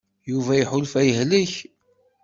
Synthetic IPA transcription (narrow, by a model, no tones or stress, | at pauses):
juvæjiħʊlfæjəɦliç